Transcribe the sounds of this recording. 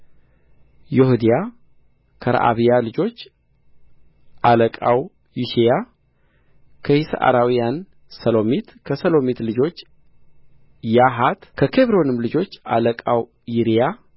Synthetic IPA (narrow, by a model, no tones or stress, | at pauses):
jɛhud̪ija | kʰəɾa̰ʔa̰βijalɨd͡ʒo̞t͡ʃː | ʔaləkʼaw | juʃeja | kʰəhisa̰ʔa̰ɾawijan | səlo̞mit̪kʰəsəlo̞mit̪lɨd͡ʒo̞t͡ʃː | jaɦat̪kʰəkʰeβɾo̞nɨmlɨd͡ʒo̞t͡ʃːa̰ləkʼaw | jiɾija